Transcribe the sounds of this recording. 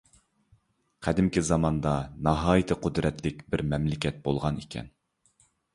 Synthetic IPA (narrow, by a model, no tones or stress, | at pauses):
qʰæd̪ɪmkʲizɑmɑnd̪ɑnɑɦɑːjɨt̪ʰɨqʰʊd̪ɾɛt̪lɪkʲbɪɾmɛmlɪkʲɛt̪̚bolˠʁɑnikʲʰɛ̰n